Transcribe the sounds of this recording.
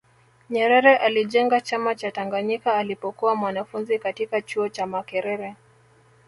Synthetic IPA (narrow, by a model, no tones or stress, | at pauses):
ɲɛɾɛɾɛʔaliʄɛŋɡat͡ʃamat͡ʃataŋɡaɲikaːlipɔkuwamwanafunzikatikat͡ʃuɔt͡ʃamakɛɾɛɾɛ